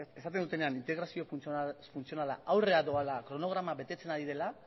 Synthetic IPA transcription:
e̞sat̪end̪ut̪e̞ne̞anint̪e̞ɣɾasio̞funt͡sionala̰awre̞aðoalakɾo̞no̞ɣ̞ɾamaβe̞t̪e̞t͡se̞naðiðe̞la

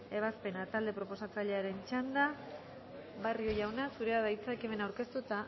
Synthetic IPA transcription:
e̞β̞aspe̞nat̪ald̪e̞pɾo̞po̞sat͡saʎe̞aɾe̞nt͡ʃand̪a | βario̞ʝawnasuɾe̞aðajt͡sakeme̞nawɾke̞st̪ut̪a

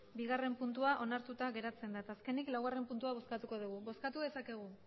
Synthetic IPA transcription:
biɣ̞are̞mpunt̪uaʔo̞naɾt̪ut̪aɣe̞ɾat͡se̞nd̪at̪aske̞niklawɣare̞mpunt̪uaβo̞skat̪uko̞ð̞uɣuβo̞skat̪uðe̞sake̞ɣ̞u

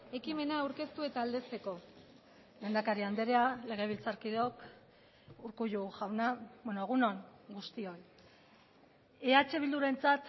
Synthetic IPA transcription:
e̞kime̞nawɾke̞st̪ue̞t̪aːld̪e̞st̪e̞ko̞ | lend̪akaɾiand̪eɾeale̞ɣ̞e̞β̞ilt͡saɾkiðo̞k | uɾkuʎuʝawnabenoeɣ̞uno̞ŋɡust̪io̞j | eat͡ʃe̞β̞ild̪uɾe̞nt͡sat̪

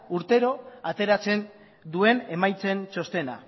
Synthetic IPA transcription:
uɾt̪e̞ɾo̞at̪e̞ɾat͡se̞n | d̪ue̞ne̞majt͡se̞nt͡ʃo̞st̪e̞na̰

